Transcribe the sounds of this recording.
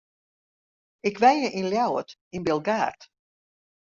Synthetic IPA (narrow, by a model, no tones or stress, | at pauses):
ɪkʰʋɛjjəʔinljawətinbɪlˠɡaːrt